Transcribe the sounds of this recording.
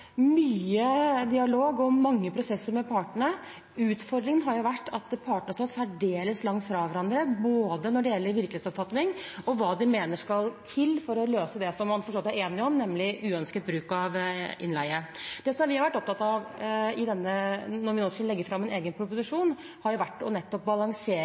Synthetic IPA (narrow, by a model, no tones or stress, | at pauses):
myːəd̪ɪɑloːɡɔmɑŋːəpʰɾʊsɛsːəɾmɛpʰɑːʈəɳə | ʉːt̪fɔɾd̪ɾɪŋənɦɑɾjʊʋæʈːɑt̪pʰɑːʈɳəst̪ɑsæɖeːləslɑŋt̪fɾɑʋæɾɑnd̪ɾəboːd̪ənɔɖɛjɛlːəɾʋɪɾkleːt̪sɔpfɑt̪nɪŋɔʋɑːd̪ɪmeːnəʂkɑlt̪ʰɪlːfɔɾɔløːsəd̪ɛsɔmːɑnfɔʂɑt̪ːæɾeːnɪɔmnɛmlɪʔʉːœnskət̪̚bɾʉːkɑʋʔɪ̰nlæɪəd̪̥ɛsɔmʋɪhɑɾʋæʈːɔp̚t̪ʰɑt̪ɑʋɪd̪ɛnːənɔɾʋɪnoːskləlɛɡːəɾfɾɑmːɛneːɡənpʰɾʊpʊsɪʂuːn | hɑɾjʊʋæʈːɔnɛt̪ːɔp̚bɑlɑŋseː